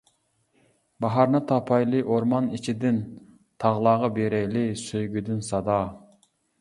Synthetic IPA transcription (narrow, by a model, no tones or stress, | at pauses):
bɑɦɑɾnɨt̪ʰɑpʰɑjlˠɨʔoɾmɑnit͡ʃʰid̪ɪn | t̪ʰɑʁlˠɑːʁɑbeɾɛjlɪsøjɡʲyd̪ɪnsɑd̪ɑ